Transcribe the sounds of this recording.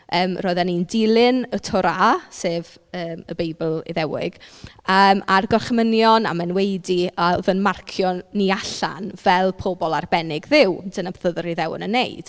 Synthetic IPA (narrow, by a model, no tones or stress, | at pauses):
əːmrɔɨðanindɪlˠɪnətʰɔɾaseːv | əːməbejbəlˠḭðɛwɪ̰ɡ̥əmarɡɔrχmənjɔna̰mɛnwejdiavənmarkʰjɔniaɬa̰nvɛlˠpʰobɔlˠarbɛnɪɡðɪwd̥ənabθəðəɾiðɛwə̰nənːejd̥